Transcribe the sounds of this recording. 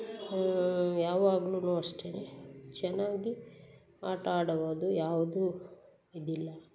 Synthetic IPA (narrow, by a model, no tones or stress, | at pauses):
jaːʋaːɡɐluːnuːɐʂʈenet͡ʃɛnːaːɡi | aːʈaːɽɐʋoːd̪ujaːʋɐd̪u | id̪ilːɐ